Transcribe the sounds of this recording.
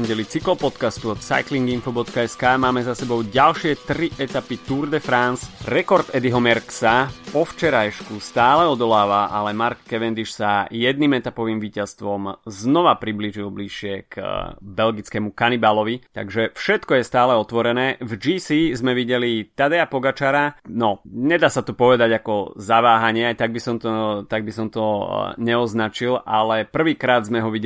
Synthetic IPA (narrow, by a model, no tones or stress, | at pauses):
ɲɟɛlit͡siklɔpɔt̪kast̪uɔt̪sa̰jkliŋɡinfɔbɔt̪kaɛskaːmaːmɛzasɛbɔʊɟalʃɪɛt̪ɾiʔɛt̪apit̪uɾd̪ɛfɾansɾɛkɔɾt̪ɛd̪iɦɔmɛɾksapɔft͡ʃɛɾajʃkust̪aːlɛɔd̪ɔlaːʋaʔalɛmaɾkːɛʋɛnd̪iʃsajɛd̪̚niːmɛt̪apɔʋiːmʋiːcast̪ʋɔmznɔʋapɾibliːʒilˠbliʃɪɛkbɛlɡit͡skɛmukanibalɔʋit̪a̰ɡʒɛfʃɛt̪kɔjɛst̪aːlɛɔt̪ʋɔɾɛnɛːvd͡ʒiːsizmɛʋiɟɛlit̪ad̪ɛapɔɡat͡ʃaɾanɔɲɛd̪aːsat̪ɔpɔʋɛd̪aɟakɔzaʋaːɦaɲɪɛajt̪aɡ̚bisɔmt̪ɔt̪aɡ̚bis̬ɔmt̪ɔɲɛɔznat͡ʃilʔa̰lɛpr̩ʋiːkɾaːd̪zmɛɦɔʋiɟ